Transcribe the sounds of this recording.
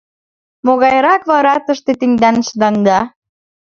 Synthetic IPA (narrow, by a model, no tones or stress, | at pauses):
moɣɑjɾɑkβɑɾɑt̪ə̆ʃt̪et̪iŋd̪ænʃd̪ɑŋd̪ɑ